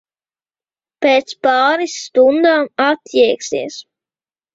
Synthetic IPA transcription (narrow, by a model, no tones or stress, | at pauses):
peːt̪spɑːɾisːt̪und̪aːmat̪jɛɛksiɛs